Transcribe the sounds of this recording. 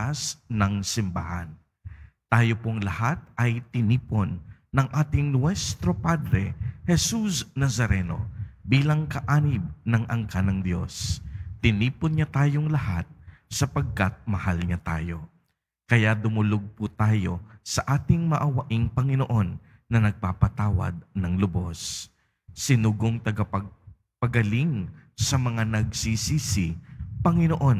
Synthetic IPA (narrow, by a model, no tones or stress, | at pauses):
asnɐŋsɪmba̰hɐ̰n | t̪aːjo̞poŋlɐhat̪̚ʔɐjt̪ɪniːponːɐŋʔaːt̪ɪŋnwɛst̪ɾo̞pad̪ɾɛhɛsusnɐsɐɾɛno̞̰biːlɐŋkɐʔaːnɪb̚nɐŋʔɐŋkanɐŋd̪jo̞st̪ɪniːponɲat̪aːjoŋlɐha̰t̪̚sɐpɐɡ̚kɐt̪̚mɐhalɲat̪a̰ːjo̞ | kɐjad̪ʊmʊloɡ̚put̪aːjo̞sɐʔaːt̪ɪŋmɐʔɐwɐʔiŋpɐŋɪno̞ʔo̞nː | ɐnɐɡ̚papɐt̪aːwɐ̰d̪̚nɐŋlʊbo̞sː | ɪnuːɡoŋt̪ɐɡɐpɐɡ̚ | pɐɡɐliŋsɐmɐŋanɐɡsisiːsɪpɐŋɪnoʔo̞n